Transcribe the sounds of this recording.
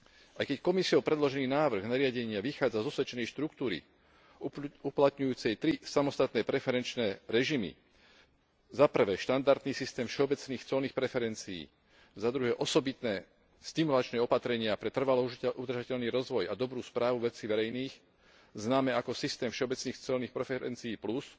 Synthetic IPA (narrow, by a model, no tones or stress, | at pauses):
ʔajkɛckɔmisiɔʊpɾɛd̪lɔʒɛniːnaːʋr̩ɣnaɾɪaɟɛɲɪaʋixaːd͡zazɔsʋɛt͡ʃɛnɛjʃt̪ɾukt̪uːɾḭ | uplat̪ɲujuːt͡sɛjt̪ɾisamɔst̪at̪nɛːpɾɛfɛɾɛnt͡ʃnɛːɾɛʒimḭ | zapr̩ʋɛːʃt̪and̪aɾt̪niːsist̪ɛːmfʃɛɔbɛt͡sniːxt͡sɔlniːxpɾɛfɛɾɛnt͡siḭː | zad̪ɾuɦɛːʔɔsɔbit̪nɛː | st̪imulat͡ʃnɛːɔpat̪ɾɛɲɪapɾɛt̪r̩ʋalɔud̪ɾrʒacɛʎniːɾɔzʋɔjad̪ɔbɾuːspɾaːʋuʋɛt͡siːʋɛɾɛjniːx | znaːmɛakɔsist̪ɛːmfʃɛɔbɛt͡sniːxt͡sɛlniːxpɾɛfɛɾɛ̰nt͡sijːplus